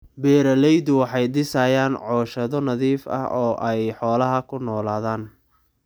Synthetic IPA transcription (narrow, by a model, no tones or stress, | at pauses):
bɛːɾɐlɛjd̪ʊwɑħɑjɖɪsajaːnʕɔːʃɐðɔnɐðiːfɐ̰hɔːʔɛjħɔːlɐɦɐkʰʊnɔːlaːðaːn